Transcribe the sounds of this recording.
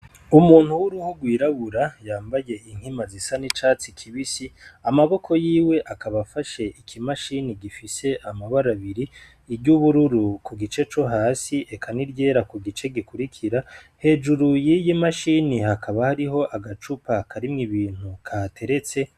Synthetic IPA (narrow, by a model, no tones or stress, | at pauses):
umuːn̥huwuɾuhuɡwiːɾaβuɾajaːmbaje̞iŋ̥himazisanit͡ʃaːt͡sikʰiβisiamaβo̞kʰo̞jiːwe̞ʔakaβafaʃe̞ʔikʰimaʃiniɡifise̞ʔamaβaɾaβiɾiː | ɾɟuβuɾuɾukuɡit͡ʃe̞t͡ʃo̞ɦaːsiʔekʰaniɾɟe̞ːɾakuɡit͡ʃe̞ɡikuɾikʰiɾa | he̞ːd͡ʒuɾujijimaʃinihakʰaβahaɾiɦo̞ʔaɡat͡ʃupakʰaɾimŋiβiːn̥hukʰatʰe̞ɾe̞t͡se̞